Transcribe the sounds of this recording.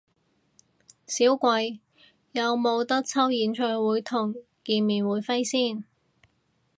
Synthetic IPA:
siː˨˥wkʷɐ˧j | jɐ˨˧wmo˨˧wt̪ɐ˥k̚t͡sʰɐ˥wjiː˨˥nt͡ʃʰœː˧jwuː˨˥jt̪ʰʊ˨˩ŋ | kiː˨˧nmiː˨˩nwuː˨˧˥jfe˥jsiː˥˩n

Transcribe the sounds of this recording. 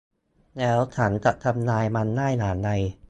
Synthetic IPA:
nɛː˦˥wt͡ɕʰa˦˥nt͡ɕa˨˩ʔt̪ʰa˧mnaː˧jma˧nːaː˥˩jnaː˩˦nːa˧j

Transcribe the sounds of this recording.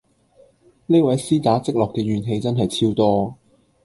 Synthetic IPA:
ne˥wɐ˨˥jsiː˥t̪aː˨˥t͡sɪ˥k̚lɔː˨kːɛː˧ɥyː˨nɦe˨˧jt͡sɐ˥nɦɐ˨jt͡sʰiː˧˥wt̪ɔː˥

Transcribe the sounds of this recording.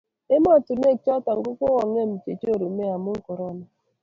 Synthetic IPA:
e˦ma˦˨tʊ˨ne˦˨kt͡ʃɔ˦ta˨ŋ̩˨ɡʊ˦ko˦wa˨ŋ˦e˦˨m̩˨t͡ʃe˨to˦˨ɾo˨me˦a˨mʊ˦ŋ̩˦kɔ˨ɾɔ˦na˨

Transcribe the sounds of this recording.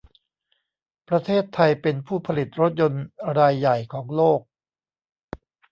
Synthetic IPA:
pɾa˧t̪ʰeː˥˩t̪ʰːa˧jpe˧npʰuː˥˩pʰa˧li˨˩t̪̚ɾo˦˥t̪̚jo˧nɾaː˧jːa˨˩jkʰɔː˩˦ŋloː˥˩k̚

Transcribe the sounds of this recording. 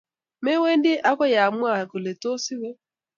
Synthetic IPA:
me˦we˦n˦dɪ˦ʔa˦kɔ˦ja˨mwa˨ko˨le˨to˦si˦we˦

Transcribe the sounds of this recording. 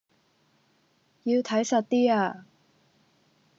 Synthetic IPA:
ji˧wt̪ʰɐ˨˥jsɐ˨t̚t̪iː˥aː˧

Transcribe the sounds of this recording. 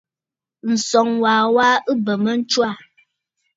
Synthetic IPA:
n̩˨sɔ˨ŋwaː˨wa˦ɨ˦bə˨mə˦n̩˦t͡ʃwa˦˨

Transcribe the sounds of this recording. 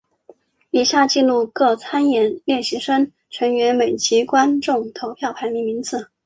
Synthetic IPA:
i˨˩ɕja˥˧t͡ɕi˥˧nlu˥˧kɤ˥˩t͡sʰa˥njɛ˧˥nljɛ˥˩nɕi˧˥ʂə˥n | ʈ͡ʂʰə˧˥ŋɥɛ˧˥nme˨˩ɪt͡ɕʰi˧˥kwa˥nʈ͡ʂʊ˥˩ŋt̪ʰo˧˥ʊpʰjɑ˥˩ʊpʰa˧˥ɪmi˧˥ŋmi˧˥ŋt͡sʰɹ̩˨˩˦

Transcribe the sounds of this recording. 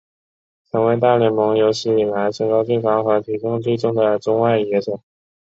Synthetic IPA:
t͡sʰɤ˧˥ŋwe˧˥ɪt̪a˥˩ljɛ˥˩mɤ˧˥ŋjo˧˥ʊɕi˧˥i˨˩la˧˥ɪʈ͡ʂɤ˥˩kɑ˥ʊt̪we˥˩ɪkɑ˧˥ŋxa˧˥t̪ʰi˧˥kʊ˥˧ŋt̪we˥˩ɪʈ͡ʂʊ˥ŋd̪ə˨ʈ͡ʂʊ˥ŋwa˥˩ɪjɛ˧˥ʈ͡ʂɤ˨˩˦

